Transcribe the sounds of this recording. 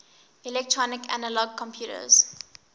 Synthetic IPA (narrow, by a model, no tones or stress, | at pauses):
ilɛk̚tʰɹɔnɪkʰa̰nəlɔɡ̚kʰɔ̃mpʰjuːtə̰z̥